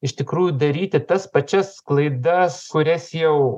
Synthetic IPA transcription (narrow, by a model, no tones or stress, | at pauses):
ɪʃt̪ʲɪkɾuːjʊd̪ɐɾʲiːt̪ʲɪt̪ɐspɐt͡ʃʲɛsklˠɐɪd̪ɐskʊɾʲɛsjɛʊ